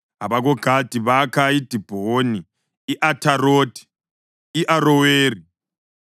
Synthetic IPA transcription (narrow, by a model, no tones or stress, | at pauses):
ɦaβaɣɔɡ̥ʱad̥ʱiβakʰaid̥ʱib̥ʱoniː | ʔatʰaɾoːd̥ʱi̥ | iʔaɾɔweːri